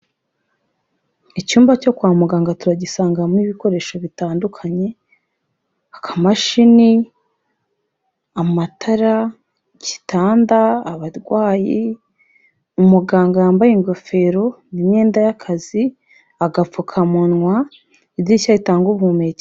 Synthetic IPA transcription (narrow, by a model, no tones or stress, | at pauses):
icuːmbaco̞kwaːmuɡaːŋɡatuɾaɟisaːŋɡamiβiko̞ɾe̞ːʃo̞βitaːndukʰaɲe̞ | akʰamaʃini | amatʰaɾa | ci̥taːndaːβaɾɡwaːji | umuɡaːŋɡajaːmbajiŋɡo̞fe̞ɾo̞nimɲeːndajakʰazi | aɡap͡fukʰamunŋwa | ibdicaitaːŋɡuβhuːmec